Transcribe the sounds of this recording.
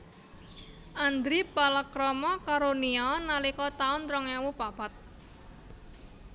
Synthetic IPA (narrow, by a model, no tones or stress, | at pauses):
ʔand̪ɾipalakɾɔmɔkaɾoniɔnalikɔt̪aʊnt̪ɾɔŋɛwupapat̪̚